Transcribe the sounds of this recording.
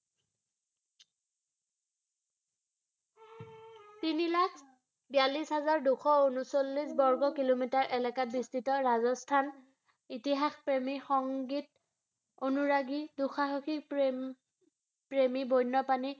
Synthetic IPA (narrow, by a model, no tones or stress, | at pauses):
tinilakʰ | bijalisɦazaɹduxɔunusolːisbɔɹɡɔkilomitaɹʔɛlɛkat̚bistitɔɹazɔstʰan | itiɦaxpɹemixɔŋɡit̚ | onuɹaɡiduxaɦoxik | pɹemibojnːɔpani